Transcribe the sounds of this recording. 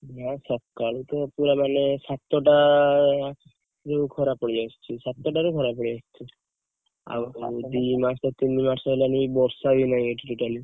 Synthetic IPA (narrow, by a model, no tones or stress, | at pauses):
nasɔb̚kaɭit̪opuɾamanesat̪ːɔʈa | ɾekʰɔɾapəɽiast͡ʃʰisat̪ːɔʈaɾekʰɔɾapəɽiast͡ʃʰi | a̰bd̪imat͡ʃ̪ɔt̪inːimat͡ʃɔlaniibɔɾsabinajeʈiʈuʈali